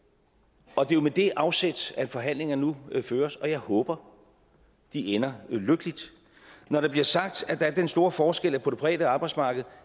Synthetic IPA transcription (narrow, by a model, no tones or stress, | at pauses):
ɒ̽d̥e̝jo̝med̥e̝ʔɑ̈ʊsed̥sæ̥fɒ̽ɦæn̰le̝ŋɐnuføːɐsɒ̽jɑ̈ɪhɔ̽ːb̥ɐ | d̥ienɐløɡ̥əlid̥ | nɒɾ̥ɑ̈b̥liɐsɑ̈ɡ̥̚d̥æd̥ɑ̈æɐd̥ensd̥o̝ːɐfɒːsɡ̥el̰æpʰoɾ̥əpʰʁɛ̰ːdəɑ̈ːb̥ɑ̈ɪdsmɑ̈ːɡ̥ð̞̩ˠ